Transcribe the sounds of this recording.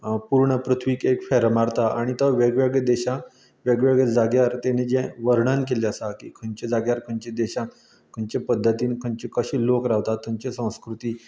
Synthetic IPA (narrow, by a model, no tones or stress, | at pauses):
puɾɳəpɾut̪ʰʋiːkekfɛɾmaɽt̪aaɽ̃it̪əʋeɡʋeɡəd̪eɕã | ʋeɡʋeɡəd͡zaɡjaɾt̪ened͡ʑɛ̃ʋəɾɳankeleəsakḭːkʰəɲt͡ɕed͡zaɡjaɾkʰənt͡ɕed̪eɕã | kʰəɲt͡ɕepəd̪ʱːət̪iːnkʰəɲt͡ɕekəɕiːlokɾaʋt̪at̪ʰːə̃ɲt͡ɕesə̃w̃skɾut̪iː